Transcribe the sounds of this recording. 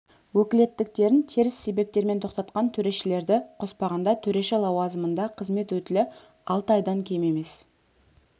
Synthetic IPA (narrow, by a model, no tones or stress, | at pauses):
wɵkʲɪle̞t̪ːɪk̚t̪e̞ɾɪnt̪ʰeɾɪsːe̞be̞p̚t̪e̞ɾme̞nt̪ʰo̞qt̪ɑt̪qɑnt̪ʰɵɾe̞ʃɪle̞ɾd̪ɪqʰo̞spɑʁɑnd̪ɑt̪ʰɵɾe̞ʃelˠɑwɑzəmənd̪ɑqʰəzme̞t̪wɵt̪ɪlɪ | ɑlˠt̪əɑjd̪ɑŋkʲʰeme̞me̞s